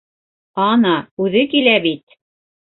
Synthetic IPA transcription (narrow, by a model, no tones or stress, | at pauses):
ɑnɑʉðɘkilæbit̪̚